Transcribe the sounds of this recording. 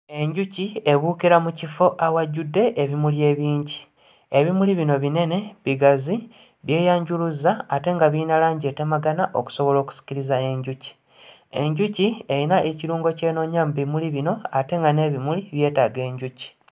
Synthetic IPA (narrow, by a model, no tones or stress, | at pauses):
e̞ɲɟucie̞βuːkiɾamucifo̞ʔawaɟudːe̞ʔeβimulje̞ːβiːɲɟi | e̞βimuliβino̞βine̞ne̞βiɡazi | βje̞ːjaːɲɟuluzaːte̞ŋɡaβinalaːɲɟe̞ːte̞maɡanaʔo̞̰ku̥so̞βo̞lo̞ːku̥si̥ciɾizae̞ɲɟuci̥ | e̞ɲɟucieinaʔeciɾuːŋɡoce̞ːno̞ɲaːmbimuliβino̞ate̞ŋɡane̞ːβimuliβje̞ːtaːɡe̞ːɲɟuci̥